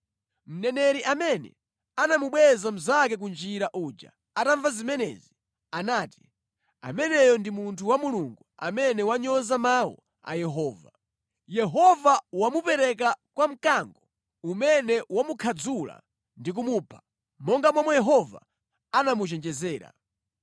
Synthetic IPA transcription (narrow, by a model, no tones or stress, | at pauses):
m̩nɛnɛɾiʔamɛnɛ̰ | anamuɓwɛzam̩zak̬ɛk̬und͡ʒiɾaʔud͡ʒa̰ | ataɱvazimɛnɛ̰ːzi | anaːti̥ | a̰mɛnɛjɔndimuntʰuwamuluŋɡua̰mɛnɛwaɲɔzamawɔ̰ | a̰jɛɦɔːva | jɛɦɔvawamupɛɾɛk̬akwam̩kaŋɡɔ | umɛnɛwamukʰad͡zula̰ | ndik̬umuːpʰḁ | mɔŋɡamɔmɔjɛɦɔva̰ | anamut͡ʃɛnd͡ʒɛzɛːɾa̰